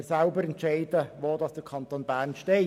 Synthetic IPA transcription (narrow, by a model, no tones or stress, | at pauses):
sælbəɾɛnt̪t͡ʃɛɪd̥əʋoːd̥ɑsd̥əkʰɑnt̪oːnbæːɾnʃteɪ